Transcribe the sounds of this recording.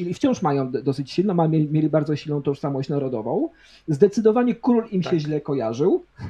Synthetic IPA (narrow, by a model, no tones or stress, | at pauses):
iift͡ɕɔ̃w̃ʂmajɔ̃w̃d̪ɔsɘt͡ɕɕilnɔmamʲeimʲjelʲibaɾd̪zɔɕilnɔ̃w̃t̪ɔʂsamɔɕt͡ɕnaɾɔd̪ɔvɔ̃w̃ | zd̪ɛt̪sɘd̪ɔvaɲɛkɾulimɕɛʑlɛkɔjaʐɘw